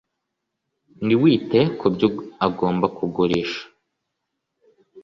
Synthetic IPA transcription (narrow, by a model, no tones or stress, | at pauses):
niwiːte̞kʰubjuaɡo̞ːmbakʰuɡuɾeːʃḁ